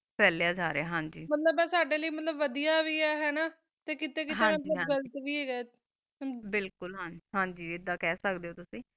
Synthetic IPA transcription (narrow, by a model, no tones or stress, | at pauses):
pɛːlejaːd͡ʒaːɾeaːɦãːɲd͡ʒiːmət̪ləbɛ̃ːsaːɖeːləiːmət̪ləbʋəd̪ijaːʋiːɛːɦɛːnaː | t̪eːkɪt̪eːkɪɦ̪ẽːmət̪ləɡəlt̪ʋiːeːɡɛː | bɪlkʊlɦə̃nd͡ʒɦãːɲd͡ʒiːɪd̪aːkɛːsəkd̪eːoːt̪ʊsĩː